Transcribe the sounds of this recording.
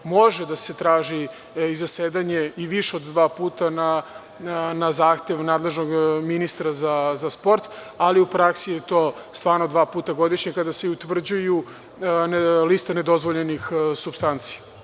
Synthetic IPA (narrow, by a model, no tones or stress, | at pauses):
mo̞ʒed̪ase̞t̪ɾaːʒi | izaseːd̪aɲe̞iʋiʃeod̪d̪ʋaːpuːt̪ana | nazaːxt̪e̞ʋnaːd̪lˠe̞ʒnoɡminist̪ɾazazaspo̞ɾt̪ | aliupɾaksijet̪oːst̪ʋaːɾnod̪ʋaːpuːt̪aɡo̞d̪iʃɲekad̪aseut̪ʋr̩d͡ʑuju | nliːst̪ane̞d̪o̞zʋoʎenixsubst̪ant̪sija